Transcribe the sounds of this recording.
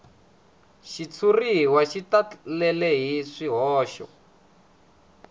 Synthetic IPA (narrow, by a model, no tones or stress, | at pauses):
ʃit͡sʰuriwaʃitalɛlɛɦiʂiɦɔːʃɔ̰